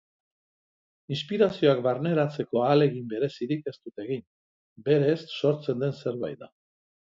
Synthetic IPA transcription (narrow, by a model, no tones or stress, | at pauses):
inspiɾasio̞akbaɾne̞ɾat͡se̞ko̞ale̞ɣimbe̞ɾe̞siɾike̞st̪ut̪e̞ɣin | be̞ɾe̞sːo̞ɾt͡se̞nd̪e̞nse̞ɾβa̰jða